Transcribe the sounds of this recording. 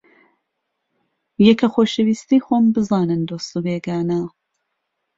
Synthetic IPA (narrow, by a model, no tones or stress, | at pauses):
jɛkɐxoːʃɛwiːst̪iːxombɨzɑːnɨnd̪oːst̪ubeːɡaːna